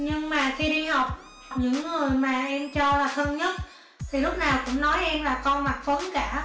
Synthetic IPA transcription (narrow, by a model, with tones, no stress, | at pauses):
ɲɨ˧ŋmaː˨˩xi˧ɗi˧ha˨˩wk͡p̚ | ɲɨ̰˧˥ŋːɨ˨˩əjmaː˨˩ʔɛ˧mt͡ɕɔ˧laː˨˩xəː˧nɲə˦˥t̚ | t̪ʰi˨˩lʊ˦˥k͡p̚naː˨˩wkʊ̰˧˥ŋ͡mnɔ˨˦jʔɛ˧mlaː˨˩kɔ˧nma˨˩k̚fə˨˦nkaː˧˩